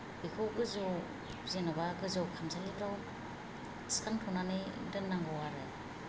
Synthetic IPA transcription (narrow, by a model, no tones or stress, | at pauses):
bikʰɔwɡɯzɔ | zenɔβaɡɯzɔwkʰamsalibɾaw | skaŋtʰɔnanɯdɯnːaŋɡɔwaɾɯ̰